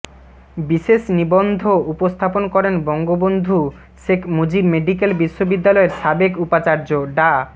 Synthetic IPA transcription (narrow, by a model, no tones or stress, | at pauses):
biʃeʃnibond̪ʱoupost̪ʰaponkɔɾenbɔŋɡobond̪ʱu | ʃekʰmod͡ʑibmeɖik̬elbiʃːobid̪ːalɔeɾʃabekupat͡ɕaɾd͡ʑoɖa